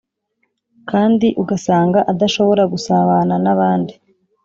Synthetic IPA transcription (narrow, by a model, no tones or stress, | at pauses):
kaːndiʔuɡasaːŋɡaʔad̪aʃo̞βo̞ɾaɡusaβananaβaːndi